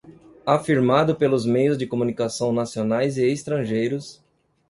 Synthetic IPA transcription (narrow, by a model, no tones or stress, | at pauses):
afiɾmad̪ʊpelʊzmejʊzd͡ʒɪkomunikasɐ̃w̃nasionajzɪest̪ɾɐ̃ʒejɾʊs